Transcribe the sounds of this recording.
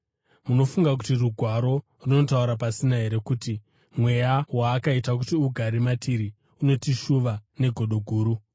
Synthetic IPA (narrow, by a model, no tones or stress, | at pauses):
muno̞fuŋɡakutiruɡʱwaɾo̞ | runo̞tauɾapasinaɦe̞ɾe̞kuːti | mwe̞jawaːkaitak̬utiuɡʱaɾimatiɾi | uno̞tiʃuʋane̞ɡʱo̞ɗo̞ɡʱuːɾu